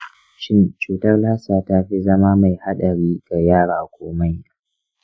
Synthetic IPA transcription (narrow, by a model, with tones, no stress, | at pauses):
ʃɪ˦nt͡ʃuː˨tɐ˦rlaː˦saː˨ta˦ɸi˦zɐ˦ma˦ma˨jha˦ɗɐ˨ɽiː˦ɡ̥a˨jaː˦˨ɽaː˨kʷoː˦ma˦j